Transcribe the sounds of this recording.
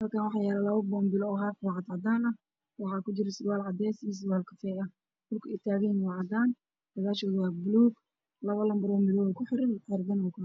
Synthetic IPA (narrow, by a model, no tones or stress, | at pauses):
hɐlkʰanwɑħjaːlɛlɐβɐbɔːmbɪlɔːɦafwːʕɑd̪ʕɑd̪aːnɐ | wɑħɑːkʊt͡ʃɪɾɐsɪwaːlʕɑd̪ɛːsijs̬ɪwaːlkʰɐfʰɛːɐ | dʊlkʰʊɛt̪ʰaːɣɛjnwaʕɑd̪aːn | d̥ɐɣaːʃɔːðʊwɑːbʊluːɡ | lɐβɐlɐmbɐɾɔːmɪðɔwɔkʰʊħɪɾɪnʕɛɾɡ̪ɐnwɔkʰʊ